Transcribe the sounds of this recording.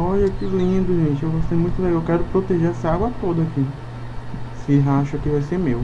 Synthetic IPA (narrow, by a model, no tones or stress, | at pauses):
ɔʎɐkilĩd̪ʊʒẽt͡ʃɪewvosemũj̃t̪ʊleɡawkɛɾʊpɾot̪eʒeɾɛsɐaɡwɐt̪od̪ɐaki | sɪɦaʃʊakivajseɾmew